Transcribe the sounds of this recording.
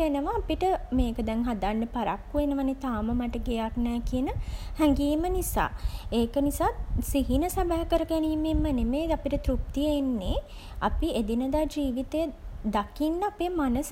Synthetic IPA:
enəʋaːpiʈəmeːkəd̪ɛŋɦad̪anːəpaɾa̰kːuʋenəʋanet̪aːməmaʈəɡejaknɛːkiənəhæŋɡiːmənisa̰ːeːkənisaːsiɦinəsabaɦkəɾəɡæniːmemːənemeapiʈət̪ɾup̚t̪ijəenːe | a̰pied̪inəd̪aːd͡ʒiːʋit̪ejəd̪akinːəapeːmanəs

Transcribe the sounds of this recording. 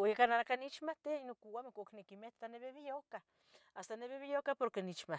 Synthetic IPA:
oikanaakanit͡ʃmaht̪einokuwamekoknekimet̪aneβeβijohka | ast̪aneβeβijohkapoɾkenit͡ʃma

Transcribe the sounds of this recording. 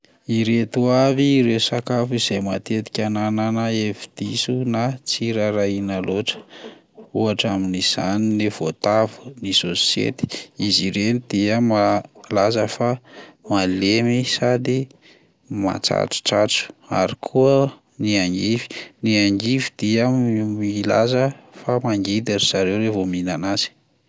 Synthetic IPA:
iɾet̪uaviɾesakafiz̥ejmat̪et̪i̥kʲanananaefi̥d̪̥isunat͡siɾaɾainaloʈ͡ʂə̥ | uaʈ͡ʂaminiz̥aninev̥ot̪avu̥nisosḛt̪i̥iziɾenid̪̥iəmalazəfamalemisad̪i | ma̰t͡sa̰ʈ͡ʂu̥ʈ͡ʂa̰ʈ͡ʂu̥a̰ɾikʰuə | niaŋɡivi̥niaŋɡivid̪̥iamila̰zəfamaŋɡid̪eɾiz̥aɾewɾevominanaz̥i̥

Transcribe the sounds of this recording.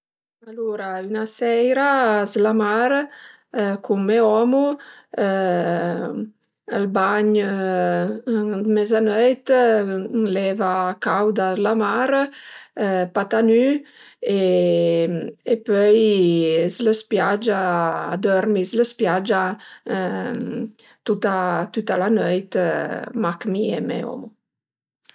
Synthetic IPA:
aluɾaynasɛjɾazlamaɾ | kumːɛɔmu | əlbaɲ | d̪mɛzanœjt̪ | lɛvakawd̪azlamaɾ | pat̪any | e | epœj | sləspjad͡ʒa̰ːd̪ɔɾmizləspjad͡ʒa | t̪ut̪at̪ut̪alanœjt̪makmiemɛ̰ɔ̰mo

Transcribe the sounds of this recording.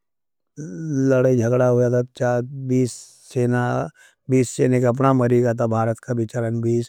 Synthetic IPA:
ləɽaid͡ʒʱəɡɽaɦojat̪at͡ʃaːbiːsː | eːna | biːsseːnekɐp̬namɐɾiɡat̪̬ʰabʱaːɾət̪kabɪt͡ʃaɾənbiːs

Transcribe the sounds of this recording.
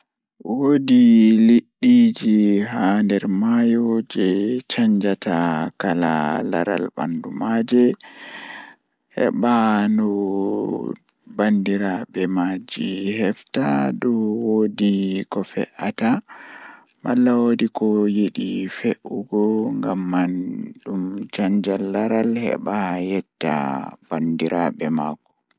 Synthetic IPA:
wodiliɗːid͡ʒihandɛɾmajɔd͡ʒɛt͡ʃaɲd͡ʒatakala̰la̰ɾa̰lba̰ndumad͡ʒɛ | ʔɛ̰ɓanɔ | bandiɾabɛmad͡ʒihɛftadɔwodikɔfɛ̰ʔata | malːawodikɔjeɗifeʔuɡɔŋɡamːanɗumt͡ʃaɲd͡ʒalːaɾalhɛ̰ɓajɛtːa̰bandiɾaɓɛmakɔ̥

